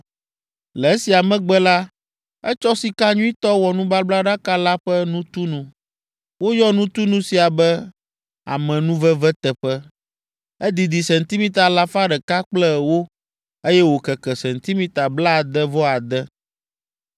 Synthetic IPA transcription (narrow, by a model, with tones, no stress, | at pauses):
lɛ˨e˦si˨a˨mɛ̃˦ɡ͡bɛ˦la˦ | ɛ˦t͡ʃɔ˦si˨ka˦ɲũ˦i˦t̪ɔ˦wɔ˨nũ˦ba˦bla˦ɖa˦ka˦la˦ɸɛ˦nũ˦t̪u˦nũ˨ | wo˦jɔ˦nũ˦t̪u˦nũ˦si˨a˨bɛ˦ | a̰˨mɛ̃˨nũ˦vɛ˦vɛ˦t̪ɛ˨ɸɛ˦ | ɛ˦d̪i˨d̪i˨sɛ˨nt̪i˦mĩ˦t̪a˨la˦fa˦ɖɛ˨ka˦k͡plɛ˦˨wo˦ | e˦jɛ˦wo˨kɛ˨kɛ˨sɛ˨nt̪i˦mĩ˦t̪a˨bla˦˨d̪ɛ˦vɔ˦a˨d̪ɛ˦